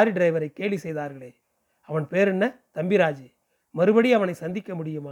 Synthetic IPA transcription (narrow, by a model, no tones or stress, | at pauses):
ɾiɖɪɾɐɪʋɐɾɐɪkːeːɭʋisɛjðaːɾɣɐɭeː | ɐʋɐnpeːɾɛnːɐt̪ɐmbɪɾaːd͡ʒɯ | mɐɾɯbɐɽiɐʋɐnɐɪsɐnd̪ɪkːɐmʊɽɪjɯmaː